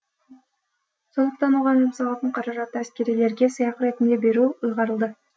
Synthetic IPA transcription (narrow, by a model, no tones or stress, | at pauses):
so̞nd̪əq̚t̪ɑnuʁɑnəmsɑlˠɑt̪t̪əɴqʰɑɾɑɾɑt̪ːəæskʲe̞ɾijle̞ɾɡʲe̞sɯjɑqɾe̞t̪imd̪e̞be̞ɾuːɯjʁɑɾɯlˠd̪ə